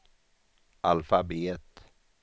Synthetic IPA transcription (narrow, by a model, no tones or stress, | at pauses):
ʔalfabeːt̪